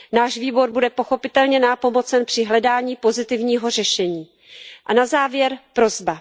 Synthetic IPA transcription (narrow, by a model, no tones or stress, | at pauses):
naːʒviːbo̞ɾbudɛpo̞xo̞pɪt̪ɛlɲɛnapo̞mo̞t͡sɛnpr̥ɪɦlɛdaːɲiːpo̞zɪt̪ɪvɲiːɦo̞r̝ɛʃɛɲiː | ʔanazaːvjɛɾpɾo̞zba